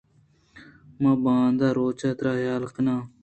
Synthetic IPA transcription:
mãːbãːnd̪aːɾoːt͡ʃaːt̪ɾaːjaːlqənaː

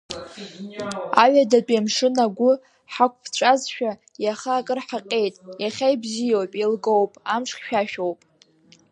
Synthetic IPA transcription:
aɥadat͡pʼamʂɨnaɡʷʊ | ħakʷʰʼpʰt͡ɕʷʼazʃᶣa | jaχaːkʼɨrħaqʲʼe̞jtʼjaχʲajbzijowpʼilɡowpʼamʂχʲʃᶣaʃᶣowpʼ

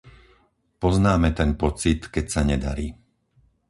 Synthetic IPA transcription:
pɔznaːmɛt̪ɛnpɔt͡sit̪kɛcsaɲɛd̪a̰ɾiː

